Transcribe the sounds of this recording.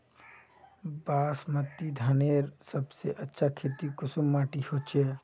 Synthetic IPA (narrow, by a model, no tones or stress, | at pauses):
baːsmət̪ːid̪ʱaneːɾsɐbseʔɐtːʃʰakʰeːt̪ikʊsʊmːaːʈihoːt͡ʃeː